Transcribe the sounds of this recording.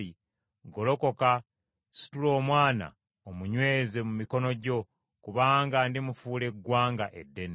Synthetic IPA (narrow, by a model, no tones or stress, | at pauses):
i | ɡo̞lo̞ko̞ka | si̥tulo̞ːmwaːna̰ | omuɲwe̞ːze̞mumiko̞no̞ɟo̞ | kuβaːŋɡandimufuːle̞ɡwaːŋɡaʔe̞dːe̞n